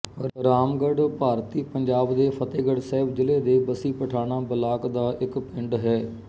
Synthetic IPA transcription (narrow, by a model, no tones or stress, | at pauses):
ɾaːmɡəɖpaːɾt̪iːpəɲd͡ʒaːbd̪eːpʰət̪eːɡəɖsɛɦbd͡ʒɪleːd̪eːbəsiːpəʈʰaːñãːbəlaːkd̪aːʔɪkpɪɳɖɦɛː